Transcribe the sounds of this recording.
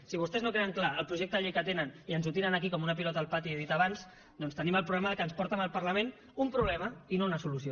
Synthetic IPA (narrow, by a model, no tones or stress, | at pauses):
siβ̞ust̪ɛznokɾeəŋklaəlˠpɾuʒek̚t̪əʎejkət̪enəniənzut̪iɾənəkikɔmunəpilɔt̪aːlˠpat̪ieðit̪aβans | d̪ɔnst̪əniməlˠpɾuβlɛməðəkənspɔɾt̪əməlˠpəɾləmẽn | umpɾuβlɛməinounəsulusio